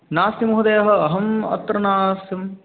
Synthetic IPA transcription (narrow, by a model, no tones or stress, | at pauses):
naːsjɐmuɦud̪ɐjɐɦɐ̆ɐɦɐmɐ̰t̪ːɾɐnaːsjɐm